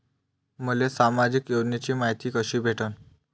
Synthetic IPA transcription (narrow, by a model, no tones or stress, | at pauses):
məlesamad͡ʑikjod͡ʑnet͡ɕiːmaɦjt̪iːkəɕiːbʱeʈən